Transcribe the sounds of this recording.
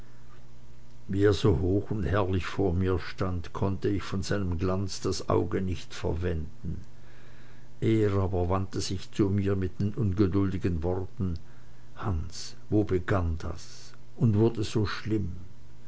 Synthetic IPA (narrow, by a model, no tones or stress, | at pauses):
viːeːɐzoːhoːxʊnthɛɐlɪçfoːɐmiːɐʃtantkʰɔntəɪçfɔnzaɪnəmɡlant͡sd̥asʔa̰ʊɡənɪçtfɛ̰ɐvɛndn̩ | ʔeːʁaːbɐvantəz̥ɪçt͡sumiːɐmɪt̚d̥enʔʊnɡədʊldɪɡənvɔʁtn̩ | hans | voːbəɡand̥a̰s | ʔʊndv̥ʊɐdəz̥oːʃlɪm